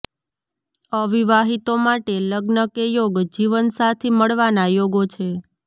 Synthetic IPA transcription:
əʋiʋaɦit̪omaʈeləɡnəkejoɡd͡ʒiʋənsat̪ʰiməɭʋanajoɡot͡ʃʰe

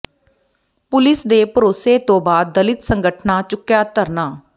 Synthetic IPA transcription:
pʊlɪsd̪eːpəɾoːseːt̪õːbaːd̪̚ːəlɪt̪səŋɡəʈʰnaːt͡ʃʊkːjaːt̪əɾnaː

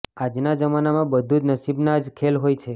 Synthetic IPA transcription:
ad͡ʒnad͡ʒəmanamãbəd̪ʱud͡ʒnəsibnad͡ʒkʰelɦojt͡ʃʰe

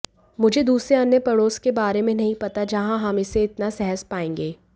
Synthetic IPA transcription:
mʊd͡ʒʱed̪uːsɾeɐnjəpɐɽoːskebaːɾemẽnɐɦĩpɐt̪ad͡ʒɐɦãɦɐmɪseɪt̪nasɛɦəspaːẽːŋɡeː

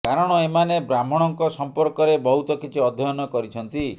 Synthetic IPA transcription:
kaɾɔɽ̃ɔemanebɾamɔɽ̃ɔŋkɔsɔmpɔɾkɔɾebɔɦut̪ɔkit͡ʃʰiɔd̪ʱɔjɔnɔkɔɾit͡ʃʰɔnt̪i

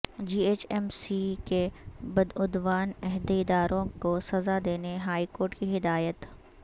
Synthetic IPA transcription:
d͡ʒiːeːt͡ʃɛːmsikebɐd̪ʊd̪ʋaːnɛɦd̪eɪd̪aːɾõkosɐzad̪eːneɦaːikoːɾʈkiɦɪd̪aːjət̪

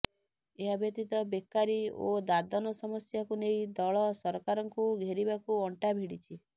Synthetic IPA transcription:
eɦabjɔt̪it̪ɔbekːaɾio̰d̪ad̪ɔnɔsɔmɔsjakunej̃d̪ɔɭɔsɔɾɔkaɾɔŋkuɡʱeɾibakuɔɳʈabʱiɽit͡ʃʰi

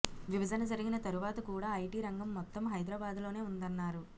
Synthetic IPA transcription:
ʋibɐd͡ʒ̪ɐnɐd͡ʒɐɾiɡinɐt̪ɐɾuʋaːt̪ɐkuːɽaːɐjʈiːɾɐŋɡɐmːɔt̪ːɐmɦɐjd̪ɾɐbaːd̪lo̞ːne̞ːund̪ɐnːaːɾu

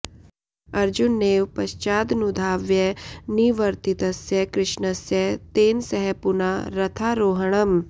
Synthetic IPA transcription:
ɐɾd͡ʒunːeːʋpɐʃt͡ʃaːd̪nud̪ʱaːʋjɛniʋɐɾt̪it̪ɐsjɐkɾɪʃɳɐsjɐt̪eːnsɐɦɛpunaɾɐt̪ʰaːɾoːɦɐɳ̃ɐm

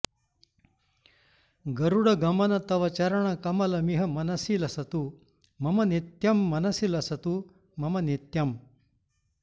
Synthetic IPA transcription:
ɡɐɾuɽɐɡɐmɐnɐt̪ɐʋɐt͡ɕɐɾɐɳ̃ɐkɐmɐlɐmiɦɐmɐnɐsilɐsɐt̪u | mɐmɐnit̪jɐmːɐnɐsilɐsɐt̪u | mɐmɐnit̪jɐm

